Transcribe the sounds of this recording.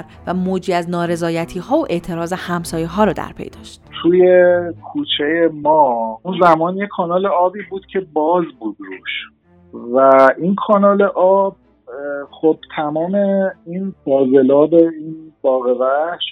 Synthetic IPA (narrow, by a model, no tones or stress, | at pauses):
ɾ | væmoːd͡ʒiːæznɒːɾe̞zɒːjæt̪ʰiːhɒːoʔe̞ʔt̪ʰe̞ɾɒːzehæmsɒːjeɦɒːɾɒːd̪æ̰ɾpʰe̞̰jd̪ɒ̰ːʃt̪t̪ʰuːjekʰuːt͡ʃʰejemɒːunzæmɒːnjekʰɒːnɒːleɒːbiːbuːd̪̥cʲʰebɒːzbuːd̪ɾuʃ | væʔinkʰɒːnɒːle̞ʔɒːb̥̚ | xob̥̚t̪ʰæmɒːme̞infɒːze̞lɒːbeinbɒːɣevæʃ